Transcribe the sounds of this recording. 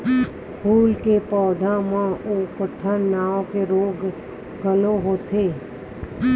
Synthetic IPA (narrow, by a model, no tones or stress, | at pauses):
pʰuːlkepɔːd̪ʱamãoːkəʈʰːənːaːokeɾoːɡ | ɡəloɦoːt̪ʰeː